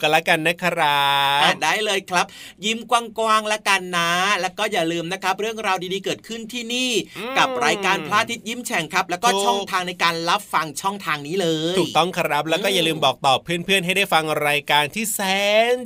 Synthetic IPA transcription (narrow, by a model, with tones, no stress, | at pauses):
ka˧la˦˥ka˧nːɛ˦˥kʰa˧ɾa˦˥˧daː˥˩jlɤː˧jkʰɾa˦˥p̚ji˦˥˩mkwaː˧ŋkwaː˧ŋlɛ˦˥ka˧nːaː˦˥lɛː˦˥wkɔː˥˩jaː˨˩lɯː˧mna˦˥kʰɾa˦˥p̚ɾɯ˥˩əŋɾaː˧wdiː˧diː˧kɤː˨˩t̪̚kʰɯ˥˩nt̪ʰiː˥˩niː˥˩ka˨˩p̚ɾaː˧jkaː˧npʰlaː˥˩t̪ʰi˦t̪̚ji˦˥˩mt͡ɕʰɛ˨˩˦ŋkʰɾa˦˥p̚lɛː˦˥wkɔː˥˩t͡ɕʰɔ˥˩ŋt̪ʰaː˧ŋna˧jkaː˧nla˦˥p̚fa˧ŋt͡ɕʰɔ˥˩ŋt̪ʰaː˧ŋniː˦˥lɤː˧j̪ʰuː˨˩k̚t̪ɔ˥˩ŋkʰa˧ɾa˦˥p̚lɛː˦˥kɔː˥˩jaː˨˩lɯː˧mbɔː˨˩k̚t̪ɔː˨˩pʰːɯ˥˩ənpʰɯ˥˩ənɦa˥˩jdaː˥˩jfa˧ŋɾaː˧jkaː˧nt̪ʰiː˥˩sɛː˦˥ŋ